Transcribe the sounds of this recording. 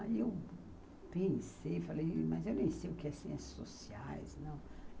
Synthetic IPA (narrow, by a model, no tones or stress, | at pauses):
ew | pẽsejfalejmazewnẽsejʊkɪɛsĩẽsso̰siajznɐ̃w̃